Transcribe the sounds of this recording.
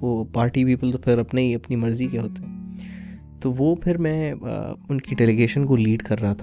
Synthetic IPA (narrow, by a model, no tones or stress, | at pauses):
oːpaːɾʈipiːpəlt̪opʰɪɾɐpneiɐpnimɐɾzikeɦoːt̪ɛ | t̪oʋoːpʰɪɾmɛ̰̃ʊnkiɖɛːleɡeːʃənkoliːɖkɐɾːɐɦat̪ʰa